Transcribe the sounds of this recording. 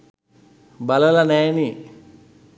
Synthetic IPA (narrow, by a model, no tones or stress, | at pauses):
baləlanɛːni